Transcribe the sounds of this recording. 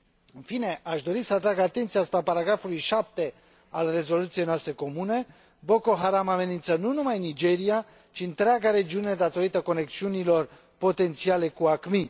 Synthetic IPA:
finɛʔɑʒd̪ɔɾisat̪ɾaɡat̪ɛnt͡sʰjaspapɑɾaɡafɔɾiʃap̚t̪ɛ | ɑlrɛzɔlut͡sʰjɛnast̪ɛkɔmunɛ | bɔkɔɦɑɾamɑvɛnint͡sʰənunumɑjnid͡ʒɛɾja | t͡ʃʰint̪əɾaɡaɾɛd͡ʒunɛd̪at̪ɔɾit̪əkɔnɛkt͡sʰjunilɔɾ | pɔt̪ɛnt͡sʰjɑlɛkuɑkmi

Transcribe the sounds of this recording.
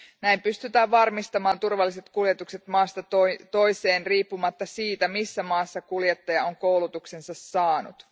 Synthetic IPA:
næimpyst̪yt̪æːʋʋɑrmist̪ɑmɑːnt̪urʋɑlːise̞t̪kuljet̪ukset̪mɑːst̪ɑt̪ot̪o̞jse̞ːnriːpːumɑt̪ːɑsiːt̪æmisːæmɑːsːɑkuljet̪ːɑjɑo̞ŋko̞wlut̪ukse̞nsɑsːɑːnṵt̪

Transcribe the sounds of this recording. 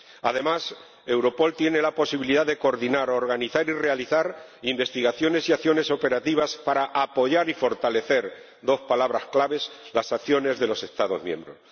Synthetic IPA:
a̰ðe̞mas | e̞wɾo̞po̞lt̪je̞ne̞lapo̞siβiliðaðe̞koɾðinaɾo̞ɾɣ̞aniθaɾire̞aliθaɾ | imbe̞st̪iɣaθjo̞ne̞siaθjo̞ne̞so̞pe̞ɾat̪iβ̞aspaɾaʔapo̞ʝaɾifo̞ɾt̪ale̞θe̞ɾ | d̪o̞spalaβ̞ɾasklaβe̞slasakθjo̞ne̞zðe̞lo̞se̞st̪aðo̞zmjẽ̞̰mbɾo̞̰s

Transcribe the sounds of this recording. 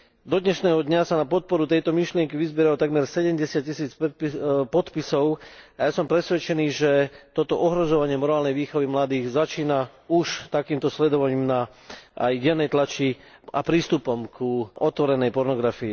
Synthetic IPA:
d̪ɔd̪ɲɛʃnɛːɦɔd̪ɲasanapɔt̪̚pɔɾut̪ɛjt̪ɔmiʃlɪɛŋkiʋizbɛɾaɔt̪aɡmɛɾsɛɟɛmɟɛsɪat̚cisiːt͡sppɔt̪pisɔʊajasɔmpɾɛsʋɛt͡ʃɛniːʒɛt̪ɔt̪ɔʔɔɦɾɔzɔʋaɲɪɛmɔɾaːlnɛjʋiːxɔʋimlad̪iːɣzat͡ʃiːna | uʃt̪akiːmt̪ɔslɛd̪ɔʋaɲiːmna | a̰jɟɛnɛjt̪lat͡ʃi | a̰pɾiːst̪upɔmkʰuʔɔt̪ʋɔɾɛnɛjpɔɾnɔɡɾafii

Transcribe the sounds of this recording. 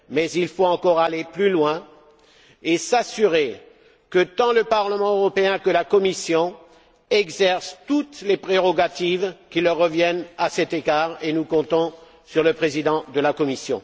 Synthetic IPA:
mɛzilfoɑ̃kɔʁaleplylwɛ̃ | esasyʁe | kət̪ɑ̃ləpaʁləmɑ̃øʁɔpeɛ̃kəlakɔmisjɔ̃ | ɛɡzɛʁst̪ut̪lepχeʁɔɡat̪ivkʲiləʁːəvjɛnasɛt̪eɡaʁenukɔ̃t̪ɔ̃ | syʁləpχezid̪ɑ̃d̪əlakɔmisjɔ̰̃

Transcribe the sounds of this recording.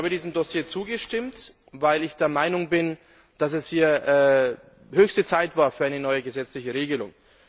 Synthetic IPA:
aːbədiːzm̩dosjeːt͡suːɡəʃtɪmt | vaɪlɪçd̥eːɐmaɪnʊŋbɪn | d̥as̬ɛshiːɐʔɛː | høːçstət͡saɪtv̥aːɐfyːɐʔaɪnənɔʏəɡəzɛt͡slɪçəʁ̞eːɡəlʊŋ

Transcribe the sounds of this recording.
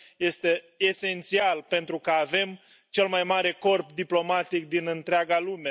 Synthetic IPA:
je̞st̪e̞ː | se̞nt̪sialpe̞nt̪ɾukəave̞m | t͡ʃe̞lmajmaɾe̞ko̞rpd̪iplo̞mat̪ik̚d̪inɨnt̪ɾeaɡalume̞

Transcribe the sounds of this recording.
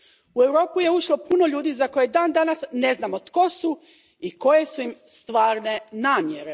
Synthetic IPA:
ue̞wɾo̞ːpuje̞uʃlˠo̞puno̞ʎuːd̪iːzako̞jed̪aːnd̪anasneznamot̪ko̞su | iko̞je̞suimst̪ʋaːɾne̞naːmjeɾe̞

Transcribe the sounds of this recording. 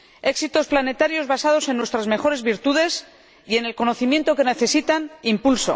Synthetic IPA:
e̞ksit̪o̞splane̞t̪aɾjo̞zβasaðo̞se̞nːwe̞st̪ɾazme̞xo̞ɾe̞zβiɾt̪uðe̞s | ie̞ne̞lko̞no̞θimje̞nt̪o̞ke̞ne̞θe̞sit̪animpulso̰

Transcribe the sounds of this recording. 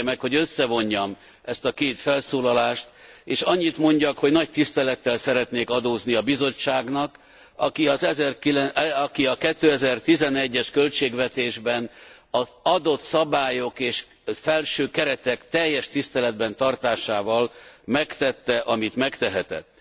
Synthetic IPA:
mɛkho̞ɟø̞sːɛvo̞ɲːɒm | ʔɛst̪ɒkeːt̪fɛlsoːlɒlaːʃt̪eːʃɒɲːit̪mo̞ɲɟɒkho̞ɟnɒc̚t̪ist̪ɛlɛt̪ːɛlsɛɾɛt̪neːkɒd̪oːzniɒbizo̞t͡ʃːaːɡnɒk | ɒkiɒzɛzɛrkilɛɒkiɒkɛt̪ːøːɛzɛrt̪izɛnɛɟːɛʃkølt͡ʃeːɡvɛt̪eːʒbɛnɒɒd̪o̞t̪sɒbaːjo̞keːʃ | fɛlʃøːkɛɾɛt̪ɛkt̪ɛjːɛʃt̪ist̪ɛlɛd̪bɛnt̪ɒrt̪aːʃaːvɒlmɛkt̪ɛt̪ːɛʔɒmit̪mɛkt̪ɛɦɛt̪ɛ̰t̪ː

